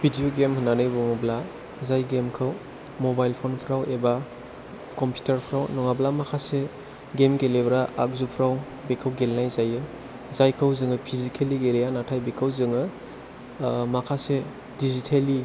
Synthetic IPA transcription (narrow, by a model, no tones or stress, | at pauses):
bʱidijoɡemhɯnːanɯjbɔŋabla | zajɡemkʰɯw | mobajlpʰonpʰɾaweba | kɔmpʰju̥taɾpʰɾawnɔŋablamakʰase | ɡemɡelebɾaak̚zupʰɾaw | bekʰawɡelnajzajɯ | zajkʰɐwzɯŋɯpʰizikʰeliɡelijanatʰajbekʰawzɯŋɯ | makʰase | dizitʰeli